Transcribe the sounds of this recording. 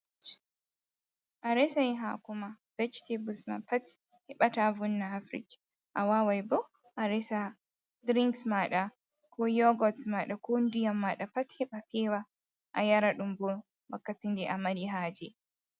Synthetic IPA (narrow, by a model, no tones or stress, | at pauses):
t͡ʃ | ʔaɾɛsajiɦa̰kumav̥ɛt͡ʃtebusma̰pat | hɛɓatavunːaafɾḭk | ʔawawajbɔ | ʔaɾɛsa | dɾiŋksmaɗa | kʰɔjɔɡɔtsmaɗakondijamːaɗapathɛɓafɛːwa | ʔa̰jaɾaɗumbɔ | wakːatindɛʔamaɾiɦaːd͡ʒɛ